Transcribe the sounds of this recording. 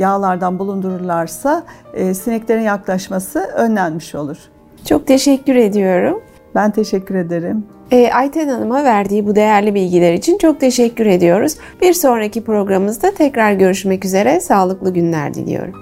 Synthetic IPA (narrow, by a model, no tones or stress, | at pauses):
jaːlˠaɾd̪anbulˠund̪uɾuɾlˠaɾsaːsinɛclʲe̞ɾinjaklˠaʃmasɯønlʲænmiʃo̞lˠuɾ̥ | t͡ʃʰo̞k̚t̪ʰe̞ʃɛcːyɾe̞d̪ijo̞ɾum | bænt̪ʰe̞ʃɛcːyɾe̞d̪eɾim | ɛːʔajt̪ʰɛnanɯmavæɾd̪iːbud̪e̞jæɾlʲibilʲɟilʲæɾit͡ʃʰint͡ʃʰo̞k̚t̪ʰe̞ʃɛcʰːyɾe̞d̪ijo̞ɾuz̥ | biɾso̞nɾacipɾo̞ɡɾamɯzd̪at̪ʰɛcɾaɾɟø̞ɾyʃmɛcyze̞ɾɛsaːlˠɯklˠɯɟynlʲæ̰ɾd̪ḭlʲḭjo̞̰ɾum